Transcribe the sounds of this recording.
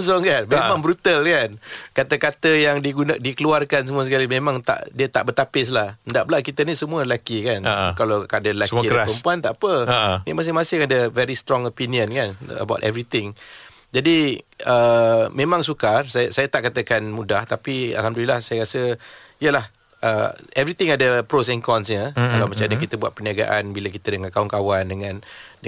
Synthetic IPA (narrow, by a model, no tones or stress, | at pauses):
s̬ɔŋkanmemmãŋbɾut̪alkankat̪əkat̪əjaŋdiɡundikəluarkans̬əmũasəkalimẽmãŋt̪a̰ʔdiət̪a̰ʔbət̪apɪs̬lahndaʔbəlaʔkit̪ənisəmũəəlakikankalakadaɾəlaəkiɾaspəəmpuant̪a̰ʔpənḭmas̬ɪhmasɪhadəvɛɾist̪ɾɔŋopiniə̃nkanə̰bawtɛ̰vɾit̪ɪŋ | d͡ʒadiəmẽmãŋsukarsasajat̪aʔkat̪əkanmũdaht̪apia̰lhamdulilahsajaɾasəiəlah | ʔəɛvɾit̪ɪŋadəpɾos̬ɛŋkɔnsɲəkalawmat͡ʃamaɲakit̪əbuat̪̚pəniaɡa̰ʔanbiləkit̪ədəŋãnkauŋkawandəŋãnd